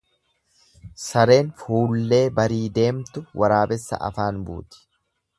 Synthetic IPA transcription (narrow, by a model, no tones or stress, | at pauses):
sɐɾe̞ːnfuːlːe̞ːbɐɾiːd̪e̞ːmt̪ʊwʔɐɾaːbɛsːɐ̰ʔɐ̰faːnbṵːt̪ɪ̥